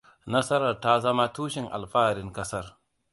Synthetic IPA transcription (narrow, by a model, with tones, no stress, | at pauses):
nɐ˦sɐ˦ɾɐ˨ɾta˦zɐ˦ma˦tuː˦ʃɪ˨ŋʔa̰˨lɸaː˦ɾɪ˦ŋkɐ˦sɐ˦r